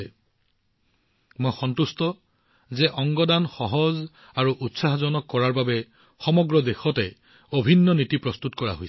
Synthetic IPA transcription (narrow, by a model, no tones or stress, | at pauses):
ɛ | mojxɔntustɔ | zɛʔɔŋɡɔdanxɔɦɔz | aɹuʔutsaɦɔzɔnɔkːɔɹaɹbabɛ | xɔmɔɡɹɔdexɔtɛ | obʱinːɔnitipɹɔstutkɔɹa̰ɦojs